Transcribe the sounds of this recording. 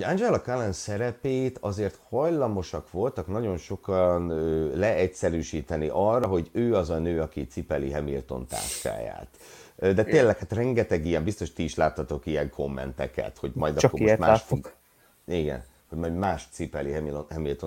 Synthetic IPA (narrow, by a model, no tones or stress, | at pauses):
ɟand͡ʒɛlɒkalɛnsɛɾɛpeːt̪ɒzeːrt̪hɒjlɒmo̞ʃɒkʋo̞lt̪ɒknɒɟo̞nʃo̞kɒnøːlɛɛcsɛɾyːʃiːt̪ɛniʔɒrːɒɦo̞ɟøːɒzɒnøːɒkit̪sipɛliɦɛmilt̪o̞̰nt̪a̰ːʃka̰ːja̰ːt̪ | d̪ɛt̪eːlːɛkhaːt̪rɛŋɡɛt̪ɛɡijɛmbist̪o̞ʃt̪iːʃlaːt̪ːɒt̪o̞kijɛŋkʰo̞mːɛ̰nt̪ɛ̰kɛ̰t̪ho̞ɟmɒjd̪ɒkːooomaːʃ | iɡɛ̰n | hoɟmɒjɟmaːʃt̪sipɛliɦɛmiloɦɛmilt̪o